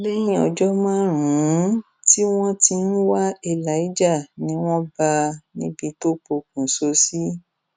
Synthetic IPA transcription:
le˦j̃ĩ˦ɔ̰˧˨d͡ʒɔ˦mãː˦˨ɾũ˨˦ | ti˦w̃ɔ̃˦ti˧n̩˦wa˦i˧˨la˨˦i˦d͡ʒa˦˨nĩ˨˦w̃ɔ̃˦ba˧nĩ˦bi˧˦to˦k͡po˧k̚ũ˨so˧˦si˦

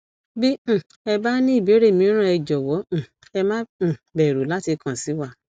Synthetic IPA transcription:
bĩ˦˨ | ɛ˧ba˦nĩ˦i˦˨be˨˦ɾe˦˨mĩ˨˦ɾ̃ã˦˨ɛ˧d͡ʒɔ˨wɔ̃˨˦˨ | ɛ˧mã˦˨bɛ˨ɾu˨la˨˦ti˧kã˨si˨˦wa˦˨

